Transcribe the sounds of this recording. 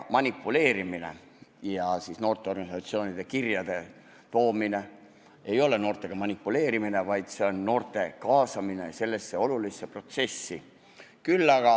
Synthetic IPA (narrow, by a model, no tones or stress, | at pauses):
mɑnʲipːˑule̞ːɾimine̞̰ | jɑsiːsno̞ːrt̪ːˑe̞o̞rɡɑnʲisɑt̪sio̞ːnid̪̥e̞kirjɑd̪̥e̞ | t̪o̞ːmine̞ | e̞jo̞le̞no̞ːrt̪ˑe̞ɡ̥ɑmɑnʲipːˑule̞ːɾimine̞vɑjd̪̥se̞o̞nːo̞ːrt̪ˑe̞kɑːsɑmine̞̰se̞lːe̞sːe̞o̞lulisːe̞pro̞t̪se̞sːi | kylːɑɡ̥ɑ